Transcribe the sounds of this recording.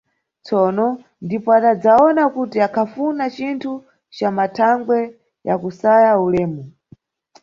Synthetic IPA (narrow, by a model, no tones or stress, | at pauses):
t͡sɔːnɔ | ndipɔatad͡zaɔnakutiakʰafunat͡ʃintʰu | t͡ʃamatʰaŋɡwɛ | jakusajaulɛːmu